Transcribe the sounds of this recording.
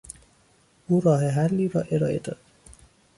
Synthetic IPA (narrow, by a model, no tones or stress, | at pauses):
uːɾɒːɦeɦælːiːɾɒːʔeɾɒːʔḛd̪ɒ̰ːd̪̥